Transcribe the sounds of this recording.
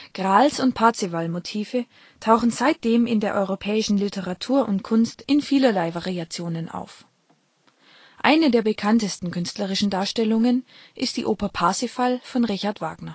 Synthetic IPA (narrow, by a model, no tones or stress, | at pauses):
ɡ̥ʁaːlsʊnt̚pʰaɐt͡sivalmotʰiːfə | tʰaʊxn̩zaɪt̚d̥eːmɪndeːɐʔɔʏʁopʰɛːɪʃn̩lɪtʰəʁatʰuːɐʔʊntkʰʊnstʔɪnfiːlɐlaɪvaʁiat͡sjoːnənʔa̰ʊf | ʔa̰ɪnədeːɐbəkʰantəstn̩kʏnstləʁ̞ɪʃn̩daːɐʃtɛlʊŋənʔɪst̚d̥ḭːʔoːpɐpʰaɐsifalfɔnʁɪçaɐtv̥a̰ːɡ̥nɐ